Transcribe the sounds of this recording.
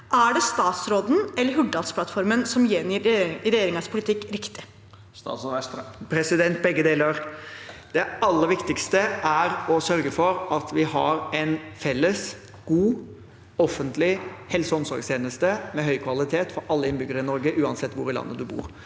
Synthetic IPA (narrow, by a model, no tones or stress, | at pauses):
ʔæɖɛst̪ɑːt̪sɾoːd̪n̩ɛlːəɾɦʉɖɑlt̪spʰlɑt̪fɔɾmənsɔmjenjiɾɾɛjeːɾɪŋɑspʰʊlɪt̪ʰɪkːɾɪkt̪ɪ | s | pʰɾɛsɪd̪ɛnt̪̚bɛɡːəd̪eːləɾd̪̥ɛɑlːəɾʋɪkt̪ɪkst̪əʔæɾɔsœɾɡəfɔɾɑt̪ʋɪhɑ̰ɾɛnfɛlːəs | ɡ̥uː | ɔfːənt̪lɪhɛlsəɔmsɔ̰ɾɡst̪ʰeːnəst̪əmɛɦœʏkʰʋɑlɪt̪ʰeːt̪fɔɾɑlːəɪnbʏɡəɾəɪnɔɾɡəʔʉːɑnsɛt̪ːʋʊ̰ɾɪlɑ̰nːəd̪ʉbṵːɾ